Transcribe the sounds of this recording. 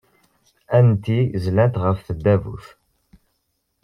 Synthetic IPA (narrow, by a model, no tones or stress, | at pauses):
ænt̪izlænt̪ʁəfθəd̪ːævṵθ